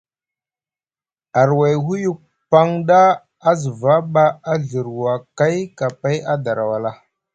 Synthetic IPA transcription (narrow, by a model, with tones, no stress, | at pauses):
a˨ɾwa˨jɦu˦ju˨k̚ | pa˦ŋdaː˦ | zə˨va˦ɓa˦a˦ɮə˨ɾwa˨ka˦jka˨pa˦ja˦da˨ɾa˨wa˨la˦